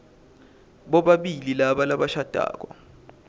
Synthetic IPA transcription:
ɓɔɓaɓililaɓalaɓaʃad̥ʱa̰ːk̬ɔ̰

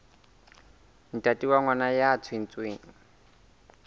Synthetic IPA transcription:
n̩tʼatʼiwaŋwanajat͡sʰʊɪn̩t͡sʼweːŋ̩

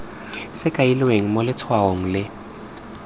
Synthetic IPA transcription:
sɪkʼailɪweŋ̩molɪtʰwaoŋ̩lɪ

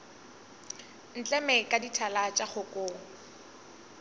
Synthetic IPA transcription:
n̩t͡ɬʼɛmɛkʼaditʰalat͡ʃʼaχʊkʼoːŋ̩

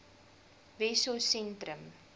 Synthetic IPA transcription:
vɛsosɛntɾəm

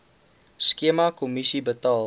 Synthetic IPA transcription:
skeəmakomisibətɑl

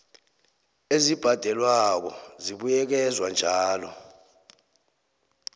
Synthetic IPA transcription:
ezib̥ʱad̥ʱɛlwak̬ɔziɓujɛk̬ɛzwand͡ʒʱaːlɔ

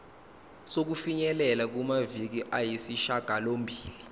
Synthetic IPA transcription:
sok̬ufiɲɛlɛlak̬umavik̬iʔajisiʃaɡ̥ʱalombʱiːli

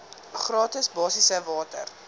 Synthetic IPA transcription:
χrɑːtəsbɑːsisəvɑːtə̰r

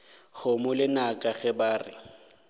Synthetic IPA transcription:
χʊmʊlɪnakʼaɣɛbaːrɪ̰

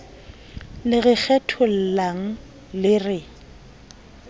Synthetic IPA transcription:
lɪɣɪk͡xʰɛtʰʊl̩laŋ̩ | lɪrɪ

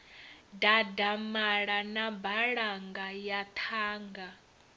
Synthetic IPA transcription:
dadamaɺanabaɺaŋɡajat̪ʰaːŋɡa

